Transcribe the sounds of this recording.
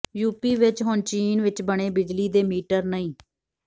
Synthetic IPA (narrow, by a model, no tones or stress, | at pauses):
juːpiːʋɪt͡ʃɦʊnt͡ʃiːnʋɪt͡ʃbəɳeːbɪd͡ʒliːd̪eːmiːʈəɾnəĩː